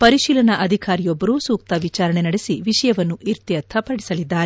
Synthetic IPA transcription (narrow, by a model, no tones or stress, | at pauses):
pɐɾiʃiːlɐnɐʔɐd̪ʱikaːɾijɔbːɐɾuːsuːk̚t̪ɐʋit͡ʃaːɾɐɳe̞nɐɽesiʋiʂɐjɐʋɐnːuʔiɾt̪jɐt̪ʰɐpɐɽisɐlid̪ːaːɾe